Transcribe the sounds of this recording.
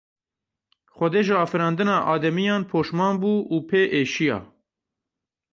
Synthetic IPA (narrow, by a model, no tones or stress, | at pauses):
xʷɛd̪eːʒɪɑːfɨɾɑːnd̪ɨnɑːʔɑːd̪ɛmijɑːnpʰoːʃmɑːnbuːuːpʰeːʔeːʃijɑ̰ː